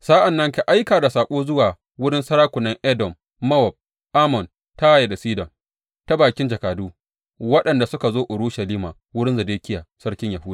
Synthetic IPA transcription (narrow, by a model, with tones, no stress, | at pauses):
sa˦ʔa˨nːɐ˦ŋka˨ʔa˦jkaː˨da˨saː˨kʷʼoː˦zʊ˦waː˨ | wʊ˦ɽɪ˦nsɐ˦ɾaː˦kʷʊ˨nɐ˦ŋʔɛ˦dɔ˨mː | ɐ˦wɔ˨b̚ | ʔaː˦mɔ˨n | ta˦a˦ja˨da˨siː˦dɔ˨ŋ | ta˦baː˨kʲɪ˦nd͡ʒɐ˨kaː˨duː˦ | wɐ˦ɗɐ˨nda˨sʊ˦ka˨zoː˦ʔʊ˨ɽuː˦ʃɐ˨liː˦maː˨ | wʊ˦ɽɪ˦nzɐ˨deː˦kʲɪ˦jaː˨sɐ˦ɽkʲɪ˦ɲjɐ˨ɦuː˦daː˨